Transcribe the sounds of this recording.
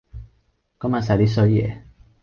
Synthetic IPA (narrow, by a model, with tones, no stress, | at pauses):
kɔ˦mã˧˨s̬a˨ɾi˦sɔ˧˦jḛ˨